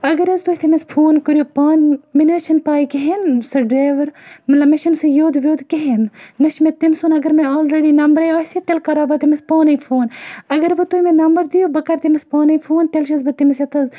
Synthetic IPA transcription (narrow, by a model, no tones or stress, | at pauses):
ɐɡɐɾɐzt̪uɦʲt̪ʰemɐspʰoːnkɨɾjopɐːnminəːʃʰɐnpaːikeɦensɐɖɾaːʋɐɾmɐt̪lɐbmeʃinsɨjoːd̪ʋʲjoːd̪keɦenːɐʃmẽt̪imsunɐɡɐɾmeoːlɾeːɖinɐmbəɾɐjɐːset̪elkɐɾaːbɐt̪imɐspoːnɐjfʰoːnɐɡɐɾʋɨt̪umẽnɐmbəɾd̪ijoːbɐkɐɾt̪imɐspoːnɐifʰoːnt̪elʃɐzbɐt̪imisjɐt̪ɐz